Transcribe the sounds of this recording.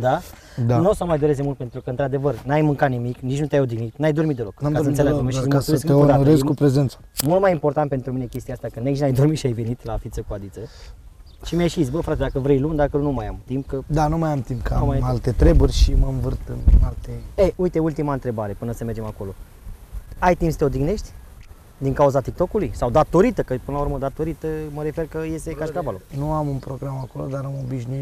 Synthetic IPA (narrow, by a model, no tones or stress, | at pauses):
d̪a | d̪anosəmajd̪o̞ɾezd̪emult̪pe̞nt̪ɾukəɨnt̪ɾad̪e̞vərnajmɨŋkat̪nimiknit͡ʃnut̪jajod̪ɾimit̪najd̪o̞rmit̪d̪eo̞kamkaoənselaomeismsesk̪eot̪aɾezkupɾezent̪sə̥mult̪majimpo̞rt̪ant̪pe̞nt̪ɾuminekʲe̞st̪iaast̪akɨneit͡ʃnajd̪o̞rmit̪ʃiajve̞nit̪lafit̪səkuad̪it̪sə | ʃimeʃisʲbəfɾat̪ed̪akəvɾejlund̪akənumajamt̪imp̚kəd̪anumajamt̪impkʰəamaalt̪e̞t̪ɾe̞burʲʃiməmvɨrt̪ɨ̰nalt̪eejuit̪e̞ult̪imaɨnt̪ɾe̞baɾe̞pɨnəsəme̞rd͡ʒe̞mako̞lo̞ | ajt̪impst̪eo̞d̪iɡne̞ʃt̪ʲ | d̪iŋkauzat̪ik̚t̪o̞kulujsawd̪at̪o̞ɾit̪əkəpɨnəlauɾməd̪at̪o̞ɾit̪əməɾe̞fe̞rkəje̞sekaʃkavalonuamunpɾoɡɾamako̞lod̪aɾamobiʃnui